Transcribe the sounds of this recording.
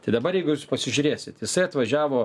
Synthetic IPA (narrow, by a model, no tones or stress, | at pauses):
t̪ɐɪd̪ɐbɐɾjɛɪɡʊjuːspɐsʲɪʒʲʊɾʲeːsʲɪt̪jɪsɐɪɐt̪ʋɐʒʲæːʋoː